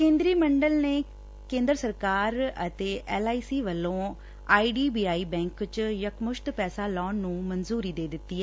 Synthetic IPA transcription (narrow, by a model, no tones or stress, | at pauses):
kẽːnd̪ɾiːməɳɖəlneː | kẽːnd̪ɾəsəɾkaːɾət̪eːʔɛːlaːiːsiːʋəlːõː | aːiːɖiːbiːaːiːbɛ̃ːŋkt͡ʃjəkmʊʃt̪pɛːsaːlɔ̃ːnːũːmənzuːɾiːd̪eːd̪ɪt̪ːiːɛː